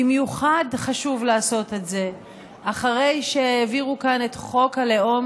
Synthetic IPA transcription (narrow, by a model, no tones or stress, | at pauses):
imjuχadχaʃuvlaːso̞tetze̞ | ʔaχaʁe̞jʃeːviʁukane̞tχo̞kaleo̞m